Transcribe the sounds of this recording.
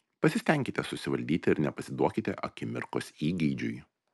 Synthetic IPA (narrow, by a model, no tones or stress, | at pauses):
pɐsʲɪsʲt̪ʲɛŋʲkʲɪt̪ʲɛsʊsʲɪʋɐlʲd̪ʲiːt̪ʲɪɪɾnʲɛpɐsʲɪd̪uɔkʲɪt̪ʲɛʔɐ̰kʲɪmʲɪ̰ɾkosiːɡʲɛɪd͡ʒʲʊ̰j